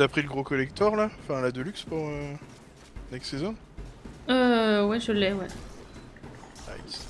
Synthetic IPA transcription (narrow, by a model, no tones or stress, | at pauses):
apχiləɡʁokɔlɛk̚t̪ɔʁlaɔ̃fɛ̃lad̪əlykspuʁø | ynɛksezɔ̃n | øwɛʒəlɛwɛ | a̰